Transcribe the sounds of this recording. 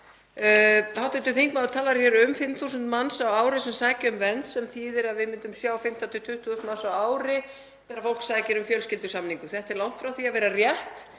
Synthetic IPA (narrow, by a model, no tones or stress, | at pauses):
hawt̪ɪt̪ʏθiŋkmawðʏt̪ʰaːlaɾ̥çɛɾʏmfɪmθuːsʏnt̪mansawaːwɾɪsɛmsaːjcɪʏmvɛnt̪sɛmθiːðɪɾaðvɪmɪnt̪ʏmsjaːwfɪm̥t̪at̪ʰʏt̪ʰʏht̪ʰuðʏst̪mansawaːwɾɪ | θɛɾaɾfowl̥ksaːjcɪɾʏmfjœlscɪlt̪ʏsamniŋkʏθɛht̪ɛɾlawŋ̥t̪fɾawθiavɛːɾarjɛht̪